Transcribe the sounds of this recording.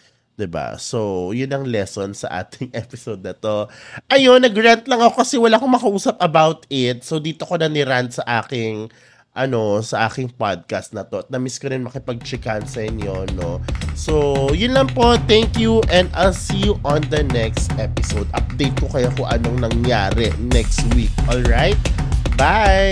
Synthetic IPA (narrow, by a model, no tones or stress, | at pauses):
d̪̥ɪba̰sojʊnːɐŋlɛsonsɐ̰ʔa̰ːt̪ʰɪŋʔɛpɪsod̪̚nɐt̪o̞ʔɐjonːɐɡɹant̪lɐŋɐkokɐsɛwɐlaːkoŋmɐkɐʔuːsɐp̚ʔɐbawt̪ɪt̪̚sowd̪iːt̪o̞ko̞nɐnɪɾant̪̚sɐʔaːkɪŋ | ʔɐno̞sɐʔaːkɪŋpad̪̚kɐst̪̚nɐt̪o̞ʔɐt̪̚nɐmiskoɾɪnmɐkɪpɐɡ̚t͡ʃɪkansɐʔɪɲjo̞nosojʊnlɐŋpo̞t̪ɛŋkjuʔɛ̃nd̪ʔajlsiːjuʔond̪ɐnɛkst̪ʔɛpɪsowd̪̚ʔɐp̚d̪ejt̪̚kokɐjokʊŋʔɐnoŋnɐŋjaːɾɛ̰nɛkst̪wikʔolɹajt̪̚ba